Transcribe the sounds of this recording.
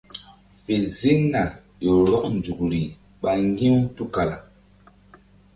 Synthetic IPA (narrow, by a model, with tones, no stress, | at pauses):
fe˨zi˦ŋna˨ | jɔ˨lɔ˦k̚n˨d͡ʒu˨kɾi˨ | ɓa˨ŋ˦ɡi˦u˦tu˦ka˨la̰˨